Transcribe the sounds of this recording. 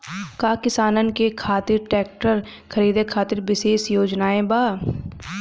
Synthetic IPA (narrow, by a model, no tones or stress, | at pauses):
kaːkɪsaːnənɪkekʰaːt̪ɪɾʈɛːk̚ʈəɾ | kʰəɾiːd̪ekʰaːt̪ɪɾbɪʃeːsjoːd͡ʒnaːẽbaː